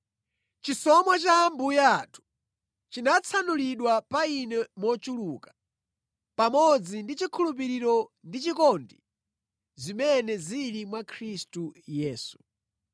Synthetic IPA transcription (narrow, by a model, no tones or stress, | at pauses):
t͡ʃisɔmwat͡ʃambujatʰu̥ | t͡ʃinat͡sʰanuliɗwapainɛmɔt͡ʃulukḁ | pamɔd͡zindit͡ʃikʰulup̬iɾiɾɔndit͡ʃikɔndi | zimɛnɛzilimwakʰɾistujɛːsu̥